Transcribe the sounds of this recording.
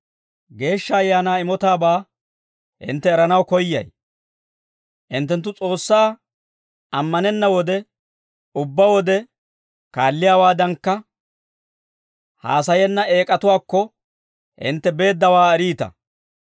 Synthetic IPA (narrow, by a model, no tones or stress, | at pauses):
ɡe̞ːʃːɐːjːaːnaːɪmɔt̪aːbaː | ɪ̰nt̪ːɛːɾɐnɐwkɔjːɐ̰j | ʔɪnt̪ːɛnt̪ːʊt͡sʼo̞ːsːaː | ɐmːɐnɛnːɐwɔd̪ɛ | ʊbːɐwɔd̪ɛ | kaːlːɪjaːwaːd̪ɐŋkːɐ | ha̰ːsɐjɛnːɐe̞ːkʼɐt̪ʊwaːkːɔ | ʔɪ̰nt̪ːɛbe̞ːd̪ːɐwaːɛɾiːt̪ɐ̰